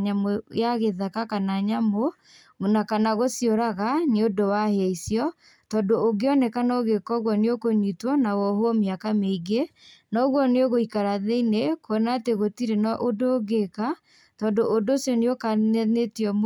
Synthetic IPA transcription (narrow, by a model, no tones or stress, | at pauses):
ɲamojaɣeðakakanaɲamo | nakanaɣosjoɾaɣaneodowaheaisjɔ | tɔːdoːɡeɔnɛkanɔɣekɔɣwɔneokoɲitwɔnawɔɦomiakameiɡenɔɣwɔneoɣoikaɾaðeinekoɛnaːteɣotiɾenɔʔodoːɡeka | tɔndoʔodosjɔneokanɛnetiɔm